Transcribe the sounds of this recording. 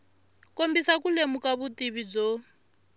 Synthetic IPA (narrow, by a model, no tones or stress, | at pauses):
kombisakulemukaβutiβid͡zo